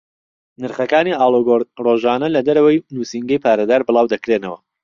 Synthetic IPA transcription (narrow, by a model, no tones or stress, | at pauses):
nɨɾχɐkaːniːaːloɡoroʒaːnɐlɐd̪ɐɾɐwɐjnuːsiŋɡɐjpʰaːɾɐd̪aːɾbɨlˠɑːwd̪ɐkɾeːnɐwɐ̰